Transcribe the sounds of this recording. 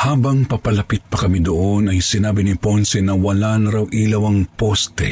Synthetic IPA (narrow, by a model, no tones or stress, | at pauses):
haːbɐŋpɐpɐlɐpɪt̪̚pɐkɐmid̪oʔonɐjsɪnaːbɪnɪponsɛnɐwɐlanɐɾawʔilɐwɐŋpost̪ɛ̰